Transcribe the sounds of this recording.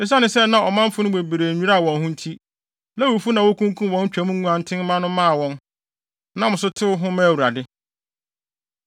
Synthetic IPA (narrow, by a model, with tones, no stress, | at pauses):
ɪ˦s̬a˦nɪ̃˨sɛ˦nã˨ɔ˨mã˦m̩˦fʊ˦nʊ̃˦we˨be˨ɾeː˨ɲᶣũ˦a˦a˨wɔ̃˨nɦʊ̃˦n̩˦tʰi˦ | nã˦wo˨fu˦nã˨wʊ˦kʰũ˦ŋ˦kʰũ˦mwɔ̃˨˦n˦t͡ɕᶣæ˨mũ˦ŋũ˦ã˨n̩˦tʰɪ̃˦n˦mã˦nʊ̃˦mã˦˨wɔ̃˦n | nã˨mʊ̃˨s̬ʊ˦tʰɪ˦ʊ˦ɦʊ̃˦mæ̃˦˨wu˨ɾa˨dɪ˦